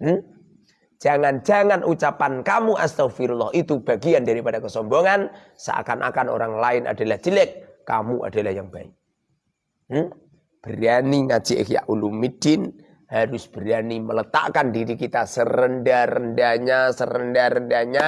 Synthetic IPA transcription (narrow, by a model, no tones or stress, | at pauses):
m̩ | d͡ʒ̥aŋand͡ʒaŋanʔut͡ʃapankamuʔast̪awfiɾulːɑhit̪ub̥aɡiandaɾipadakəsɔmboŋan | sa̰a̰kanʔa̰kano̰ɾaŋlaɪnʔa̰dalaht͡ʃilɛkː | amuʔa̰dalahjaŋbaɪk̚ | b̥əɾaniŋat͡ʃiʔkja̰ʔulumid̥ɪn | haɾʊsb̥əɾianimələt̪a̰ʔkandiɾikit̪asəɾəndarəndaɲasəɾəndaɾəndaɲa